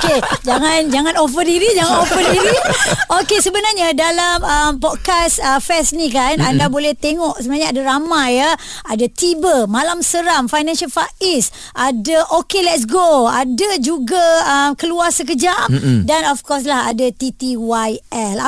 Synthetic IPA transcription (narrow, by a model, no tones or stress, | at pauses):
ked͡ʒaŋãnd͡ʒaŋãnofədiɾid͡ʒaŋãnofədiɾiokesəbənarɲadalaməmpɔd̚kasəfɛsnĩkanandabolɛht̪eŋɔʔsəbənaɲaadaɾamajaadat̪ibəmalamsəɾamfajnãnʃalfaʔis | ʔadaʔokelɛt̚s̬ɡoadad͡ʒuɡaəmkəluasək̬əd͡ʒamdanɔfkɔs̬laha̰dat̪it̪iwajɛl